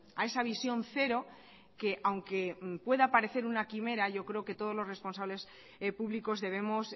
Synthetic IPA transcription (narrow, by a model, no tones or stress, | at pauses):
ae̞saβ̞isjo̞nθe̞ɾo̞ | ke̞ʔawŋke̞pwe̞ðapaɾe̞θe̞ɾunakime̞ɾaʝo̞kɾe̞oke̞t̪oð̞o̞lo̞zre̞spo̞nsaβle̞s | puβliko̞zðe̞β̞e̞mos